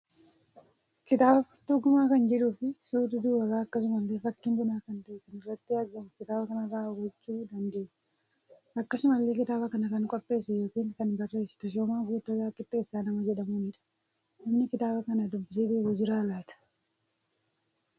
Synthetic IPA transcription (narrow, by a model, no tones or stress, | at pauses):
kɪt̪aːbɐfɐt̪ːuɡʊmaːkɐnd͡ʒɛᶑuːfɪsuːd̪ɪd̪uːwɐɡaːɐkːɐsʊmɐlːeːfɐkːɪmbʊnaːkɐnt̪ɐʔɛkɐnɪrːɐt̪ːɪɐɡɐmʊkɪt̪aːbɐkɐnɐbaːɡɔt͡ʃːuːd̪ɐnd̪e̞ːnɐ̥ | ɐkːɐsʊmɐlːe̞ːkɪt̪aːbɐkɐnɐkɐŋkʼɔpʼːe̞ːsʊjo̞ːkiːŋkɐnbɐrːe̞ːst̪ɐʃoːmaːɡuːt̪ːɐɡaːkːɪt̪ːɪɪsːaːnɐmɐd͡ʒɛᶑɐmuːnɪᶑɐ̥ | nɐmnɪkɪt̪aːbɐkɐnad̪ʊbbɪs̬eːbeːɡʊd͡ʒɪɾaːɡaːt̪ɐ̥